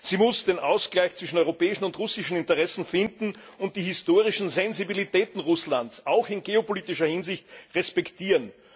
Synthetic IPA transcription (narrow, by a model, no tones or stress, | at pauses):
z̥iːmʊsd̥eːnʔaʊsɡ̥laɪçt͡sv̥ɪʃn̩ɔʏʁopɛːɪʃn̩ʊntʁʊsɪʃn̩ɪntəʁɛsn̩fɪndn̩ʊnt̚d̥iːɦɪstoːʁɪʃn̩zɛnzibilitɛːtn̩ʁʊslantsaʊxɪnɡeopoliːtɪʃɐhɪnzɪçtʁɛspɛktiːʁən